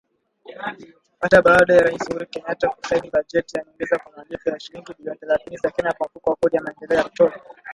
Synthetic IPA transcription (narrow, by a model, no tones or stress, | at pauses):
hataɓaːɗɔjaɾaishuɾikɛɲataku̥sainiɓad͡ʒɛtijanɛɔŋɡɛzakwamalifɔjaʃiɾiŋɡiɓiliɔntɛlaθinizakɛɲakwamfukawakɔɗijamaɛndɛlɛɔjak̚tɔɓa